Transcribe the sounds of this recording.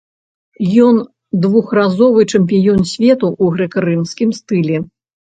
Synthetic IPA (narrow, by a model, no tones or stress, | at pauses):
jɔn | d̪vuxrazɔvɨt͡ʂɛmp̬ʲijɔnsʲvʲɛt̪uʔuɣɾɛkɾɨmskʲimst̪ɨlʲɛ